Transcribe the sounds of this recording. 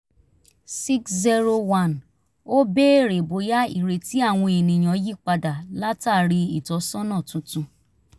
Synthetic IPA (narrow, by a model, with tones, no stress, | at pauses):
si˦kszi˦ɾo˧wa˦˨n | o˦be˦˨ɾe˨bo˨˦ja˦ḭ˦˨ɾe˨ti˦a˦˨w̃ɔ̃˧e˨nĩ˨j̃ɔ̃˨˦ji˦k͡pa˧da˨la˦ta˦˨ɾi˧i˨tɔ˨˦sɔ̃˦nã˦˨tũ˨˦tũ˧